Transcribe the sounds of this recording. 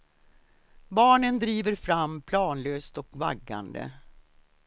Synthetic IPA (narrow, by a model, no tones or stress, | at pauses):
bɑːɳənd̪ɾiːvəɾfɾamːpʰlɑːnløːst̪ɔkva̰ɡːa̰nd̪ə̰